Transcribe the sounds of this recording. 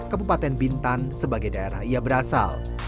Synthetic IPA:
kəbupat̪ɛnbint̪ansəbaɡajdaeɾahijabəɾasa̰l

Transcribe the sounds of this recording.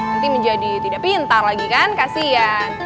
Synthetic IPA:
nant̪iməɲd͡ʒadit̪idapiənt̪arlaɡikankasija

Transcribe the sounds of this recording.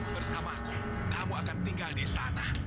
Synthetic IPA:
bərsamaku | damuakant̪iŋɡaldiːst̪anah

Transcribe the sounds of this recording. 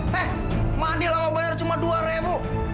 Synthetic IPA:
ɛh | mandilamabaɲart͡ʃumaduaɾɛbu

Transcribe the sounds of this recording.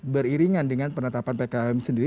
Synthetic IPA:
bəɾiɾiŋandəŋanpənət̪apanpekaɛmsəndiɾ

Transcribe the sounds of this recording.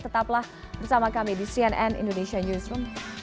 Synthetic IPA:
t̪ət̪aplah | bərsamakamidisiɛnɛnḭndonesianusɾum

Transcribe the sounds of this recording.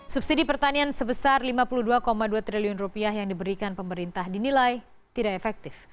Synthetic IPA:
subsidipərt̪aniansəbəsarlimapuluhduakomaduat̪ɾiliɔnrupiahɦjaŋdibəɾikanpəməɾint̪ahdinilaj | t̪idaʔefɛk̚t̪ɪf

